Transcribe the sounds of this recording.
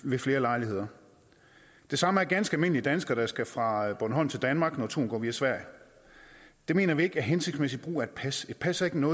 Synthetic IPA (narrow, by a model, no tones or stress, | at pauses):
ʋe̝fle̝ːɐlɑ̈ɪlie̝ð̰ˠɐ | d̥e̝sɑ̈məæɐɡ̥ænsɡ̥ælme̝n̰liəd̥ænsɡ̥ɐɾ̥ɑ̈sɡ̥æfʁɑ̈b̥ɔnəɦɒ̽n̩t͡sʰe̝ld̥ænmɑ̈ːɡ̥nɒt͡sʰo̝̰ːnɡɒ̰ːʋiæsʋæɐ̰jə | d̥e̝me̝̰ːnɐʋie̝ɡ̥æɐɦense̝ɡ̥smesid̥̚b̥ʁṵːæɐe̝d̥pʰæse̝d̥pʰæsæɐe̝ɡ̥ənɔ̽ː